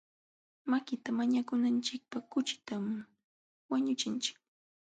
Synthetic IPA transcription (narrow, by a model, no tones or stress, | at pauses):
makɪt̪amaɲakʊnant͡ʃɪk̚pakʊt͡ʃɪ̥t̪am | waɲʊt͡ʃɪnt͡ʃɪ̥k̚